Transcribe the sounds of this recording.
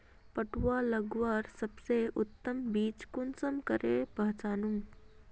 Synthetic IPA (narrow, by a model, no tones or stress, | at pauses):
pəʈwaləɡʋaːɾsɐbseʔʊt̪ːəmbiːt͡ʃkʊnsəmkəɾʔepɐɦt͡ʃaːnu